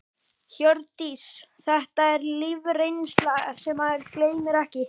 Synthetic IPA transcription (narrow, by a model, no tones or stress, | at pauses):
çœɾt̪ːisθɛht̪aɛɾlɪvrejnst̪laɣsɛmaðɛɾkleːjmɪɾɛhcɪ